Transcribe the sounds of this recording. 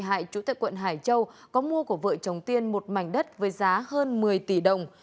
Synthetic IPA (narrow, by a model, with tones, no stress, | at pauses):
ɦa̰ː˧˨jt͡ɕu˨˧˦t̪aː˧˨jkwə̰˧˨nɦaː˧˩jt͡ɕə˧wkɔ˨˦mu˧əku˧˩əvə̰ː˧˨jt͡ɕə˨˩wŋ͡mt̪i˧ənmo˨˩t̚ma˧˩jŋ̟ɗə˦˥t̚vəː˨˦jzaː˨˦həː˧nmɨ˨˩əjt̪i˧˩ɗə˨˩wŋ͡m